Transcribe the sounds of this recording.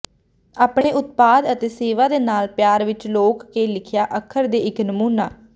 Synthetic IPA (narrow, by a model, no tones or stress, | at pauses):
aːpɳeːʔʊt̪̚paːd̪ət̪eːseːʋaːd̪eːnaːlpjaːɾʋɪt͡ʃloːkːeːlɪkʰjaːʔəkʰːəɾd̪eːɪknəmuːnaː